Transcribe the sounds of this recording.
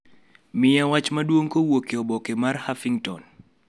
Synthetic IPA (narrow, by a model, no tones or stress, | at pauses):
mɪjawat͡ʃmadwoŋkowokeɔbɔkemarhafiŋtɔ̰n